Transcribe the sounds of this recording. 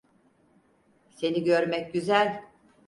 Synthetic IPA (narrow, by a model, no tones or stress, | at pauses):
se̞niɟøɾmɛcɟyzælʲ